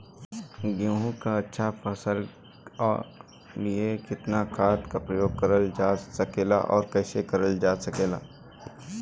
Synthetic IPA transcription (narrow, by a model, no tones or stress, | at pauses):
ɡjõːɦũkaɐtːʃʰapʰəsəlː | lɪekɪt̪nakʰaːt̪kɐpɾjokɐɾəld͡ʒaːsɐkeːla̰ʔɔːɾkɛːsekɐɾəld͡ʒaːsɐkeːla̰ː